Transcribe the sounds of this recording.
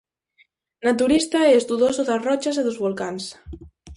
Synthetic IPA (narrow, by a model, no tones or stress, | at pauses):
nat̪̬uɾist̪aɛzd̪uðosoðasrɔt͡ʃas̬eðozβolkans